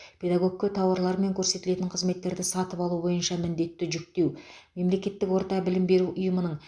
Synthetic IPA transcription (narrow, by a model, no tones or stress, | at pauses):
pʲʰe̞d̪aɡo̞ɡ̚kʲːet̪ʰɑwɑɾlˠɑɾme̞ŋkʲʰɵɾse̞t̪ɪle̞t̪ɪɴqʰəzme̞t̪ːe̞ɾd̪ɪsɑt̪əpɑlˠubo̞jənʃɑmɪnd̪e̞t̪ːɪʒʏk̚t̪e̞wme̞mle̞kʲe̞t̪ːɪkwo̞ɾt̪ɑbɪlɪmbe̞ɾuʔʊjəmənəɴ